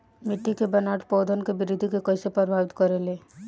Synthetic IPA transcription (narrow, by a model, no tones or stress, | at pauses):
mɪʈʰːikebənaːʈpɔːd̪ʱənkebɪɾid̪ʱikekəɪsepɾəɾbʱaːʋɪt̪kəɾeleː